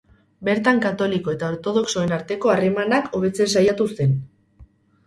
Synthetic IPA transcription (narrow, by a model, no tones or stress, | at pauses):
be̞ɾt̪aŋkat̪o̞liko̞e̞t̪ao̞ɾt̪o̞ð̞o̞kso̞e̞naɾt̪e̞ko̞are̞manakʰo̞β̞e̞t͡sesajat̪use̞n